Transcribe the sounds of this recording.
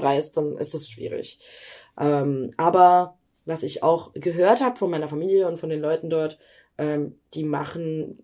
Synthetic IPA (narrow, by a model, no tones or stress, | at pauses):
ʁaɪstd̥anʔɪ̰stasʃv̥ḭːʁɪ̰çʔɛːmʔaːbɐ | vasɪça̰ʊxɡ̥əɦøːɐthaːbəfɔnmaɪnɐfamiːljəʊntfɔndeːnlɔʏtn̩dɔɐt | ʔɛːmd̥iːma̰χn̩